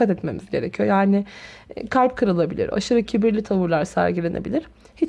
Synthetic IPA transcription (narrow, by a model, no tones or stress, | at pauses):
at̪ɛt̪me̞̰mizɟe̞ɾecʰijo̞̰jaːnɪkʰalʲp̚kʰɯɾalˠabilʲḭɾa̰ʃɯɾacʰibiɾlʲit̪ʰavuɾlˠaɾsæ̰ɾɟilʲe̞ne̞̰bilʲiɾ̥ | hi